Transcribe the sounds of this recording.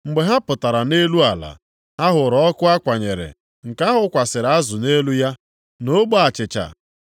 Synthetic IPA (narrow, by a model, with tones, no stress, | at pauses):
ŋ͡m̩˨ɡ͡be˨ɦa˦pʊ˨ta˨ɾa˨ne˦lu˦a˨la̰˨ | a˦ɦʊ˨ɾɔ˨˦kʊ˦a˦kʷa˨ɲe˨ɾɪ̰˨ | ŋ̩˨ka˦ɦʊ˦kʷa˨sɪ˨ɾa˦zʊ˨ne˦lu˦ja˦ | no˦ɡ͡bo˦a˨t͡ʃɪ˨t͡ʃa̰˨